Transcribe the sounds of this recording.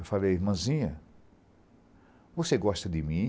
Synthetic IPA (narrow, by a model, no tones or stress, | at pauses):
wfalejiɾmɐ̃zĩɲɐ | voseɡɔʃt̪ɐd̪ɪmĩ